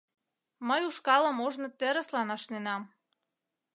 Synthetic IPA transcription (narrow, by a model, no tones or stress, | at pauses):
məjuʃkɑlə̆moʒnɤ̆t̪eɾə̆slɑnɑʃnenɑm